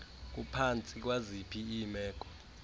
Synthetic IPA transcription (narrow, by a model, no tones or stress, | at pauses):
k̬ʼupʰant͡sʼik̬ʼwazipʰiimɛːk̬ʼɔ̥